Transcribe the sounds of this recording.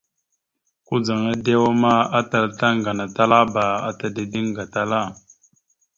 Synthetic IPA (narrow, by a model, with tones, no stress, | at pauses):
ku˦d͡za˨ŋa˦de˦wa˦ma˦a˦ta˨lta˦ŋɡa˨na˨ta˦la˦ba˨a̰˦ta˨de˨di˦ŋɡa˨ta˦la˦˨